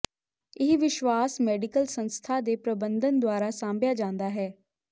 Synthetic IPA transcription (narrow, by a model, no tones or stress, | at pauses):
ɪɦʋɪʃwaːsmɛːɖɪkəlsənst̪ʰaːd̪eːpɾəbənd̪ənd̪ʊaːɾaːsãːmbjaːd͡ʒãːnd̪aːɦɛː